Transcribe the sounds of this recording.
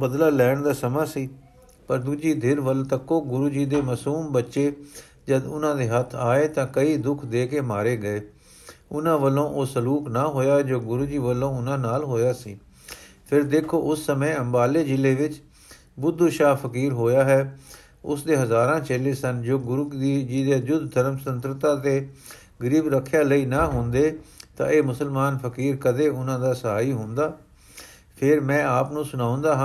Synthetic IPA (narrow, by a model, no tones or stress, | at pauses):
bəd̪laːlɛːɳd̪aːsəmãːsiː | pəɾd̪uːd͡ʒiːd̪ʱɪɾʋəlt̪əkːoːɡʊɾuːd͡ʒiːd̪eːməsuːmbətːʃeː | d͡ʒəd̪ʊnãːd̪eːɦət̪ʰaːeːt̪ãːkəiːd̪ʊkʰd̪eːkeːmaːɾeːɡəeː | ʊnãːʋəlːõːʔoːsəluːknaːɦoːjaːɦɛd͡ʒoːɡʊɾuːd͡ʒiːʋəlːõːʊnãːnaːlɦoːjaːsḭː | pʰɪɾd̪eːkʰoːʊsːəmẽːəmbaːleːd͡ʒɪleːʋɪt͡ʃ | bʊd̪ːuʃaːpʰəkiːɾɦoːjaːɦɛː | ʊsd̪eːɦəzaːɾãːt͡ʃeːleːsənd͡ʒoːɡʊɾud̪iːd͡ʒiːd̪eːəd͡ʒʊd̪d̪ʱəɾəmsənt̪ɾət̪ãːt̪eː | ɡəɾiːbɾəkʰːjaːləiːnaːɦʊ̃nd̪eːt̪ã̰ːʔeːmʊsəlmaːnpʰəkiːɾkəd̪eːʊnãːd̪aːsəɦaːiːɦʊ̃nd̪aː | pʰɪɾmɛ̃ːaːpnũːsʊnaːʊ̃nd̪aːɦã